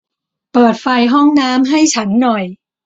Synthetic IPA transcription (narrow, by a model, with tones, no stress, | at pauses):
pɤː˨˩t̪̚fa˧jɦɔ˥˩ŋnaː˦˥mɦa˥˩jt͡ɕʰa˦˥nːɔ˨˩j